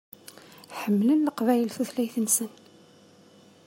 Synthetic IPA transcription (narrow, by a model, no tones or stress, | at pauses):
ħəmːlənləqvæjəlθuθlæjθənsən